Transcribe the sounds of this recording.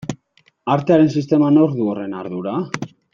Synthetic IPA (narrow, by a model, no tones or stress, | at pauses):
aɾt̪eaɾe̞nsist̪e̞mano̞ɾðuore̞naɾðuɾa